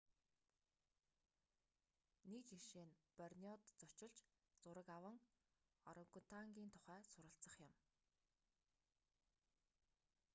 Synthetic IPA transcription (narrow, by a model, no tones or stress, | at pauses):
nit͡ɕiʃeːnpœrʲniɔt̪t͡sɔt͡ɕɪ̆ɮt͡ɕ | t͡sʊɾə̆kawə̆ŋ | ɔɾɞ̆ŋkʰʊn̥t̪ʰaŋɡʲiːnt̪ʰʊ̥χæːsʊɾə̆ɬt͡sə̆χjʊ̆m